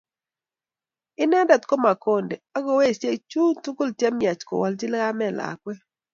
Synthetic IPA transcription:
ɪ˦nɛ˦da˨t̪ko˦ma˨ko˦nde˨ɔ˦ɡo˦we˦˨sje˦t͡ʃu˦tu˦ko˦˨ltjɛ˦mja˨t͡ʃko̰˨wɔ̰˨ld͡ʒi˦lɣa˦mɛ˦˨la̰˨˦kwɛ˦

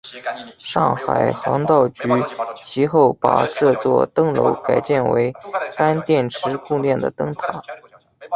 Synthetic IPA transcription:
ʂɑ̰˥˩ŋxa̰˨˩ɪxɑ̰˧˥ŋt̪ɑ˥˩ʊt͡ɕy˧˥t͡ɕʰi˧˥xo˥˩ʊpa̰˨˩ʈ͡ʂɤ˥˧t͡swɔ̰˥˧t̪ɤ˥ŋlo̰˧˥ʊka˨˩ɪt͡ɕjɛ˥˩nwḛ˧˥ɪka˥nt̪jɛ˥˩nʈ͡ʂʰɻ̩˧˥kʰʊ˥˧ŋljɛ˥˩nd̪ə̰˩t̪ɤ˥ŋt̪ʰa˨˩˦

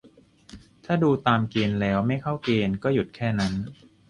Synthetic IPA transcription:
t̪ʰaː˥˩duː˧t̪aː˧mkeː˧nlɛː˦˥wma˥˩jkʰa˥˩wkeː˧nkɔː˥˩ju˨˩t̪̚kʰɛː˥˩na˦˥n

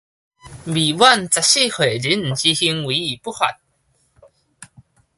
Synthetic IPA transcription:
bi˨˩wwa˥˧˨nt͡sa˨˩ɕi˥˧xwe˨˩d͡ʑi˨˦nn̩˨˩t͡ɕi˧hi˧ŋwi˨˦i˨˩pu˥˨ha̰˨t̪̚

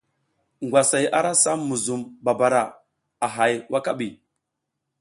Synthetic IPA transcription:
ŋɡʷwa˨sa˨ja̰˦ɾa˦sa˦mu˨zu˨mba˨ba˨ɾa˨ | a˨ɦa˨jwa˦ka˦ɓi˨

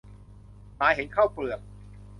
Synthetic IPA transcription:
paː˨˦jɦe˩˦nkʰaː˥˩wplɯ˨˩ək̚

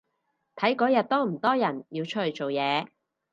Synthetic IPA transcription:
t̪ʰɐ˨˥jkɔː˨˥jɐ˨t̚t̪ɔː˥m̩˨˩t̪ɔː˥jɐ˨˩njiː˧wt͡ʃʰɵ˧hɵ˨˧jt͡so˨wjɛː˨˧

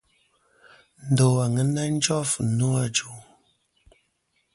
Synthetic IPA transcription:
n̩˨˦do˨a˨ŋə˦na˦n˦d͡ʒɔ˦fnu˦a˨d͡ʒo˨ŋ

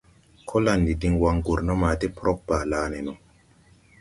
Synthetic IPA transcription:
kʰo˦la˨ndi˨di˨˦ŋwa˧ŋɡu˨ɾnɔ˦ma˨ti˦pɾɔ˦k̚b̥a˨laː˦nɛ˨nɔ˨

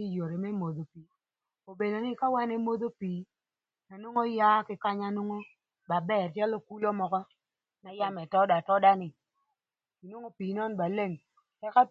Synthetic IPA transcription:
i˦jo˨ɾe˨mɛ˦mo˨ðo˨piː˨ | o˨be˨do˨nɪ˦ka˦wa˦ne˦mo˦ðo˦piː˨ | na˨no˦ŋo˦ja˦kɪ˨ka˦ɲa˦no˦ŋo˦ | ba˨bɛ˦˨rt͡ʃɛ˦lo˦ku˦lo˦mɔ˨kɔ˦ | na˨ja˦mɛ˨tɔ˦da˨tɔ˦da˦nɪ˨ | ki˨no˦ŋo˦piː˨nɔ˦nba˨le˦˨ŋ | ɛ˦ka˦

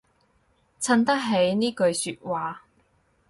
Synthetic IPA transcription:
t͡sʰɐ˧˥nt̪ɐ˥k̚ɦe˨˥jniː˥kɵ˧ɥsyː˧t̚waː˨˧

